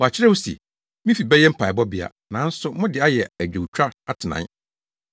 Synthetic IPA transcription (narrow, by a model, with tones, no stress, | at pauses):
wɔ˨a˨t͡ɕʰɪ˦ɾɛ˦wʊ˦sḭ˨ | mĩ˦fi˨bɛ˦jɛ˦m̩˦pʰa˨bɔ˦bɪ˨a̰˨ | nã˨˦n̩˦sʊ˦mʊ̃˦dɪ˨a˦jɛ˨æ˨d͡ʑᶣo˨wt͡ɕʰᶣɾa˦a˦tʰɪ˨nã̰˨˦